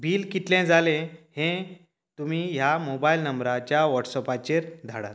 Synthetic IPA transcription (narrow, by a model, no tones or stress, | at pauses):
bʱiːlkit̪lɛ̃d͡zalẽhẽ | t̪umiːɦjamobailnəmbɾat͡ɕjaʋɔʈsɔpat͡ɕeɾd̪ʱaɽa̰t̪